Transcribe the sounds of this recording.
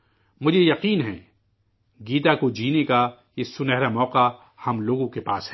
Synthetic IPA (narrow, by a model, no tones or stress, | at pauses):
mʊd͡ʒʱejɐqiːnɦɛ̃ː | ɡiːt̪akod͡ʒiːneka | jesʊnɛɦɾamɔːqa | hɐmloːɡõkepaːsɦɛ